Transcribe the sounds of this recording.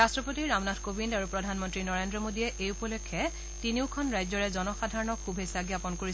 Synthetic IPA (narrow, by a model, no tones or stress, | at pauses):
astɹɔpotiɹamnadkobindaɹupɹɔdʱanmɔntɹinɔɹendɹɔmodijɛʔejupɔlokʰːɛ | tiniʊkʰɔnɹajzɔɹɛzɔnɔxadʱaɹɔnɔkʰubʱesaɡiapɔnkoɹi